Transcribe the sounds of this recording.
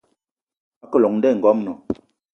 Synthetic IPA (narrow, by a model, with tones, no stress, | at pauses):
a˦kə˦lɔ˨ŋn̩˦dɛ˦˨ŋ̩˨ɡɔ˦mnɔ̰˨